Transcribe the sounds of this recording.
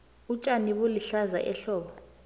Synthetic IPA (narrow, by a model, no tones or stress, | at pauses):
ut͡ʃʼaniɓoliɬaza̰ʔɛɬɔːɓa